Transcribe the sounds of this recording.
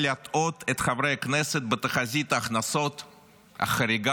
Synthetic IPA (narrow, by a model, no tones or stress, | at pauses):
lʲat̪ot̪ʰɛt̪χavɾejknɛsət̪̚bət̪əχazʲit̪ɐχnasot̪ | ɐ̰χɐɾʲɪɡa